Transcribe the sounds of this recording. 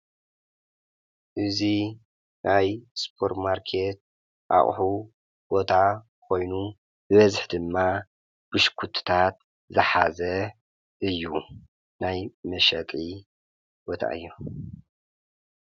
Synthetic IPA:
ʔɨzi | nʔajspʰo̞ɾt̪maɾkʰe̞t̪̚ | ʔa̰χʼħu | b̥o̞t̪ʰa | kʰo̞jnu | bɨβɐzħd̪ɨmːa | b̥ɨʃkʰut̪ʰt̪ʰat̪ | zɨħazɐ | ʔɨjːu | najmɐʃɐt̪ʼʕi | b̥o̞t̪ʰa̰ʔɨjːu

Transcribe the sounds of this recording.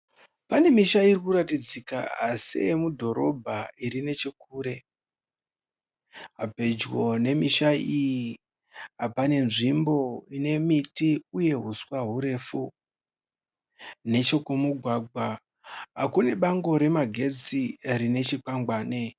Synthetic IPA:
pane̞miʃairikuɾatid͡zika̰asḛmudʱo̞ɾo̞bʱaiɾine̞t͡ʃekuːɾe̞ | ɦape̞d͡ʒɣo̞ne̞miʃaiji | ɦapane̞nʐimbo̞ine̞mitiuje̞ɦuswaɦuɾe̞fu | ne̞t͡ʃo̞kumuɡʱwaɡʱwa | ɦakune̞ɓaŋɡo̞ɾe̞maɡʱe̞d͡zirine̞t͡ʃikaŋɡwaːne

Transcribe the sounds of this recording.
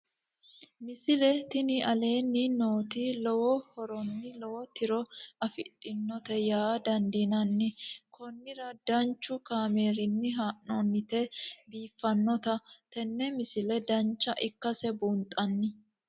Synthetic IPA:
mɪsɪlɛt̪ɪnɪɐle̞ːnːɪnoːt̪ilɔwɔhɔɾɔnːɪlɔwɔt̪ɪɾɔɐfɪtʼːɪnːɔt̪ɛjaːd̪ɐnd̪inɐnːɪkʰɔnːɪɾɐd̪̥ɐnt͡ʃːʊkaːmeːɾɪnːɪɦaːʔɔnːɪt̪ɛbiːfːɐnːɔt̪ɐt̪ɛnːɛmɪsɪlɛd̪ɐnt͡ʃːɐʔɪkːɐsɛbuːnt̪ʼːɐnːɪ

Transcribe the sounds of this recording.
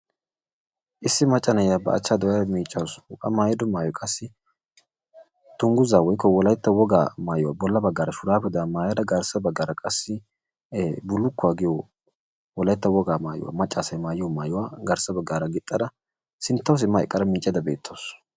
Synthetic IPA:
ʔɪsːɪmɐt͡ʃʼːɐnɐjabɐ̰ɐ̰t͡ʃːaːd̪ɔwjɐmiːt͡ʃʼːɐwsʔʼɐ̰maːjɪd̪ɔmaːjɔkʼɐsːɪ | t̪ʊŋɡʊzaːwɔjkːɔwɔlɐjt̪ːɐwɔɡaːmaːjʊwa̰ːbɔlːɐbɐɡːaːɾɐʃʊɾaːpɛd̪amaːjɐd̪ɐɡɐɾsɐbɐɡaːɾɐkʼɐsːɪ | bʊlːʊkːʊaːɡɪjɔ | wɔlɐjɪt̪ːɐwɔɡaːma̰ːjʊ̰wa̰ːmɐt͡ʃʼːaːsɐjmaːjɪjɔmaːjʊwaːɡɐɾsɐbɐɡaːɾɐɡɪt̪ʼːɐd̪ɐ | sɪnt̪ːɐws̬ɪmːɐɛkʼːɐɾɐmiːt͡ʃʼjɐd̪ɐbḛːt̪ʰːows

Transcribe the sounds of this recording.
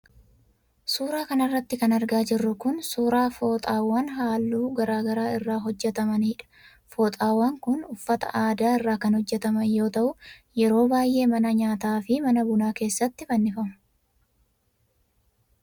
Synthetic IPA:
suːɾaːkɐnɐrːɐt̪ːɪkɐnɐɾɡaːd͡ʒɪrːʊkʊnsuːɾaːfo̞ːt̪ʼaːwːaːnɦaːlːuːɡɐɾaːɡɐɾaːɪrːaːɦɔd͡ʒːɛt̪ɐmɐnhɪᶑɐ̥ | foːt̪ʼaːwːaːŋkʊnʊfːɐt̪ɐ̰ʔaːd̪aːɪrːaːkɐnhɔd͡ʒːɛt̪ɐmɐnjo̞ːt̪ɐʔʊjɛɾo̞ːbaːjʔe̞ːmɐnɐɲaːt̪aːfɪmɐnɐbʊnaːke̞ːsːɐt̪ːɪfɐnːɪfɐmɐ̥

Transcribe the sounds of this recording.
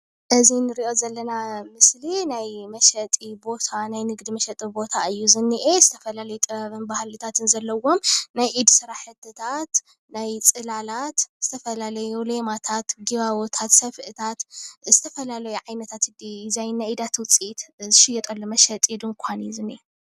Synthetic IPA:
ʔɨzinɨɾiʔo̞zɐlːɐnamɨslinajmɐʃɐt̪ʼibo̞t̪ʰanajnɨɡd̪imɐʃɐt̪ʼibo̞t̪ʰaɨjːuzɨnːiʔezɨt̪ʰɐfɐlalɐjut̪ʼɨβɐβɨnbahlit̪ʰat̪ʰɨnzɐlːɐwo̞mnajʔid̪sɨɾaħɨt̪ʰːɨt̪ʰat̪ | najt͡sʼɨlalat̪z̥ɨt̪ʰɐfɐlalɐjulemat̪ʰat̪ɡiβaβot̪ʰat̪sɐfʔɨt̪ʰat̪z̥ɨt̪ʰɐfɐlalɐjuʕajnɐt̪ʰat̪ɨd̪izajnːajid̪at̪wʊt͡sʼit̪zɨʃɪjɛt̪ʼɐlːomɐʃɐt̪ʼid̪ɨŋkʷʰanjuzɨnːiʔe

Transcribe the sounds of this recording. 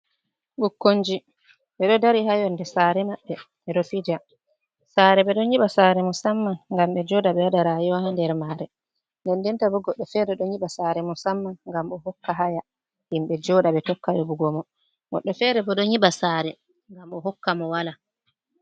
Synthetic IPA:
ɓukːoɲd͡ʒi | ɓɛɗɔdaɾihajɔndɛsaɾɛmaɓːɛ | ɛɗɔfid͡ʒa | saːɾɛɓɛɗɔɲiɓasaɾɛmɔsamːanŋɡamɓɛd͡ʒɔdaɓɛwaɗaɾajɔhandɛɾmaɾɛ | ndɛndɛntabɔɡɔɗːɔfɛɾɛɗɔɲiɓasaɾɛmɔsamːanŋɡamɔɦɔkːaɦaja | himɓɛd͡ʒɔːɗaɓɛtɔkːajɔbuɡɔmɔ | ɡɔ̰ɗːɔfɛɾɛbɔɗɔɲiɓasaɾɛ | ŋɡamɔɦɔkːamɔwala

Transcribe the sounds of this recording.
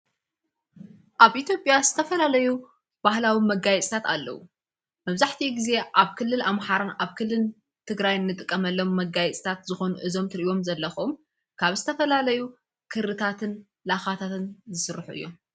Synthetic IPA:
ʔaβʔit̪ʰjo̞pʼjazɨt̪ʰɐfɐlalɐju | b̥ahlawimɐɡajɛt͡sʼit̪ʰat̪alːɐ̰wu | mɐβzaħt̪ʰiɡize̞ʔaβkʰɨlːɨlamħaɾanʔaβkʰɨlːɨl | t̪ʰɨɡɾajnːɨt̪ʼɨkʼːɐmɐlːo̞mːɐɡajɛt͡sʼit̪ʰat̪zɨxo̞nuʔɨzo̞mt̪ʰɨɾijo̞mzɐlːɐxom | kʰaβzɨt̪ʰɐfɐlalɐju | kʰɨɾɨt̪ʰat̪ʰɨn | laxat̪ʰat̪ɨnzɨsɨɾħuʔɨ̰jːo

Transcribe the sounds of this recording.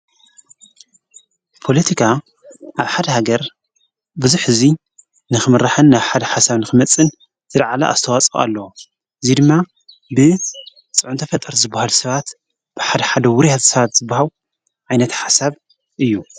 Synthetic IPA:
pʰo̞lɐt̪ʰikʰa | ʔaβħad̪ɐhaɡɐɾ | bɨzuħɨzi | nɨxɨmɨɾaħɨnːaβħad̪ɐħasaβnɨxɨmɐt͡sʼːɨn | zʰɨɾʕalɐ̰ʔa̰st̪ʰɐwat͡sʼa̰lːɐwo | ʔɨzid̪ɨmːa | bɨ | t͡sʼɨʕʊnt̪ʰɐfɐt̪ʼːɐɾzɨbːahalusɐβat̪ | b̥ɨħad̪ɐħad̪ɐwʊɾijat̪sɐβat̪z̥ɨbːahalu | ʕajnɐt̪ħasaβ | ʔɨjːu

